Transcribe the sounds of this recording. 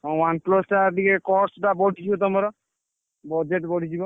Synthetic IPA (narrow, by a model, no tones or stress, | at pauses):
ɔ̃wanplɔsʈad̪ikekɔɾsʈabɔɽʱid͡ʒʰibɔt̪ɔmɔɾɔ | bɔd͡ʒeʈbɔɽ̤ʱid͡ʒibɔ